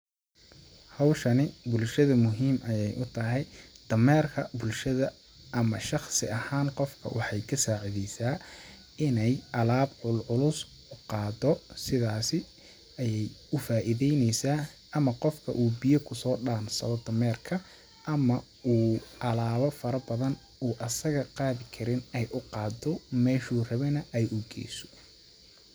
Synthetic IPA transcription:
hɑwʃɐnɪbʊlʃɐðɐmʊɦiːmɐjɛjʔʊt̪ʰɐɦɛjd̪̥ɐmɛːrkʰɐbʊlʃɐðɐ | ʔɐmɐʃɑχsɪɐhaːnqɔfkʰɐ̰wɑħɑjkʰɐsaːʕiðɛjsaː | ɪnɛjʔɐlaːbʕʊlʕʊlʊs | ʊqɑːd̪ɔsɪðaːsɪ | ɐjɛjʊfaːʔɪðɛjnɛjsaː | ʔɐmɐqɔfkʰɐ̰ʔuːbijɐkʰʊsɔːɖaːnsɐ̰βɐd̪ʰɐmɛːrkʰɐ | ʔɐmɐ | uːʔɐlaːβɔfɐɾɐbɐðɐn | uːʔɐsɐɣɐqɑːðɪkʰɐɾɪnɛjʔʊqɑːd̪ɔmɛːʃuːrɐβɛnɐʔɛjʊɡɛ̰ːjsɔ̥

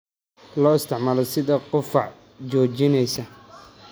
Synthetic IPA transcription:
lɔːɪst̪ʰɪʕmaːlɔsɪðɐqʊfɑʕ | t͡ʃɔːt͡ʃɪnɛjsɐ

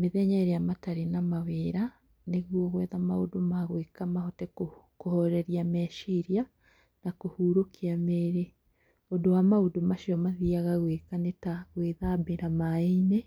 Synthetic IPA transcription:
meðɛɲaɾejamataɾenamaweːɾa | neɣwɔɣwɛːðamaodomaɣwekamahotɛkokohɔɾɛɾjamɛːʃiɾja | nakohuːɾokʰiameɾe | odowamaodomaʃiɔmaðiaɣaɣweːkanetaɣweðabeɾamaene

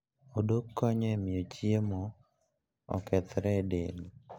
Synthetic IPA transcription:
odokːɔɲɛmɪot͡ʃiemo | ɔ̰kɛt̪ɾɛdeni

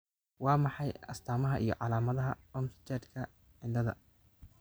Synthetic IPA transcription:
wɑːmɑħɑjɐst̪ʰaːmɐɦɐʔḭjɞ̰ʕɑlaːmɐðɐɦɐɔmst͡ʃɛd̪kʰɐ | ʕɪnd̪ɐðɐ̰

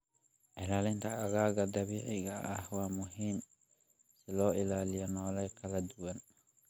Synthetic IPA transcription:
ʕɪlaːlɪnt̪ʰɐɐɣaːɣɐd̪ɐβiːʕɪɣɐʔɐhwɑːmʊɦiːm | sɪlɔːʔɪlaːlɪjɔnɔːlɛjkʰɐlɐd̪ʊwɐn

